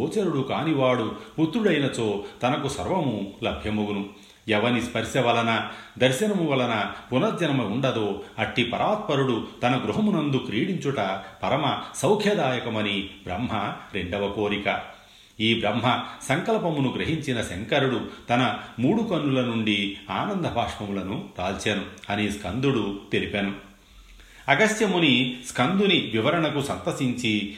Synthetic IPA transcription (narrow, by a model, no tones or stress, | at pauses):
oːt͡ʃɐɾuɽukaːniʋaːɽuput̪ɾuɽɐjnɐt͡ʃoːt̪ɐnɐkusɐ̰ɾʋɐmulɐbʱjɐmuɡunu | ɛʋɐnispɐɾʃɐʋɐlɐnɐd̪ɐɾʃɐnɐmuʋɐlɐnɐpunɐd̪jɐnɐmɐuɳɖɐd̪oːɐʈːipɐɾʔaːt̪̚pɐɾuɽut̪ɐnɐɡɾuɦɐmunɐnd̪ukɾiːɽiɲt͡ʃuʈɐpɐɾɐmɐsɐwkʰjɐd̪aːjɐkɐmɐnibɾɐ̰mɦɐɾeɳɖɐʋɐko̞ːɾikɐ | iːbɾɐmɦɐsɐŋkɐlpɐmunuɡɾɐɦiɲt͡ʃinɐseŋkɐɾuɽut̪ɐnɐmuːɽukɐnːulɐnuɳɖiaːnɐnd̪ʱɐbʱaːʂʈʋɐmulɐnuɾaːlt͡ʃaːnuɐniskʰɐnd̪uɽut̪elipeːnu | ɐɡɐsjɐmuniskʰɐnd̪uniʋiʋɐɾɐɳɐkusɐnt̪ɐsiɲt͡ʃi